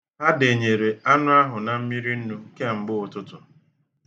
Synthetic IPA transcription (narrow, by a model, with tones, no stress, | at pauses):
ɦa˦de˨ɲe˨ɾe˨ʔa˦nʊ˦a˦ɦʊ˨na˨m̩˦mi˦ɾi˦n̩˦nu˦ke˦ŋ͡m̩˨ɡ͡bʊ˦ʊ˨tʊ˦tʊ˨